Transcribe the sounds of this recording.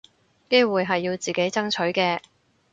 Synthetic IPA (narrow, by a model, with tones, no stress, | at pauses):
ke˥jwuː˨˩jɦɐ˨jːiː˧wt͡siː˨ke˨˥jt͡sɐ˥ŋt͡ʃʰɵ˨˥ɥkɛː˧